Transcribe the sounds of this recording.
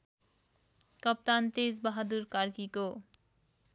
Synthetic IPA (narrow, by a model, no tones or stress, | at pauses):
kʌp̚t̪ant̪es̬baɦad̪uɾkaɾkiko